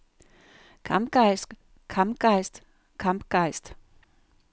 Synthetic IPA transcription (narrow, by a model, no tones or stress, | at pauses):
kʰamp̚ɡ̥aɪs | kʰampɡ̥aɪst | kʰampɡ̥aɪst